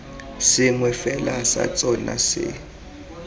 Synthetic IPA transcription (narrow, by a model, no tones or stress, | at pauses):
sɪŋwɛfɛlasa̰t͡sʼɔnasɪ̰